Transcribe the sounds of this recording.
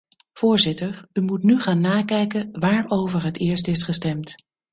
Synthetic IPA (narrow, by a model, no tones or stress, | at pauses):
v̥ʊːɹzɪtəɹymutnyχaːnːaːkɛjkəʋaːɹowvəɹɦətɪːɹstɪsχəstɛmt